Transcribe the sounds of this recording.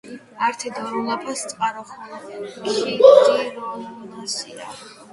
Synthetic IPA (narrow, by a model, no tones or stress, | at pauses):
aɾt̪ʰɛd̪ɔɾɔlˠapʰast̪sʼqʼaɾɔχʰaʃid̪ʼiɛɾɔnamɔnasia̰